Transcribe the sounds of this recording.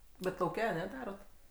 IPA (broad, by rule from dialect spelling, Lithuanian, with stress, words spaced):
bʲɛt lˠɐʊˈkʲɛ ɐˈnʲɛ ˈdɑːroːt